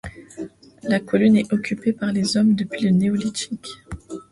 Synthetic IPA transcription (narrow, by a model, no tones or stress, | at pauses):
lakɔlynɛɔkʲʰypepaʁlezɔmd̪əpɥiləneɔlit̪ikʲ